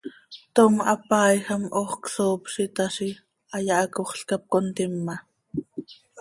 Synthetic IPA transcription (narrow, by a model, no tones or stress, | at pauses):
t̪oŋɑ̰pɑːjxɑmʔoχksoːpʃit̪ɑʃi | ɑjɑʔɑkoχɬkɑp̚kont̪imːɑ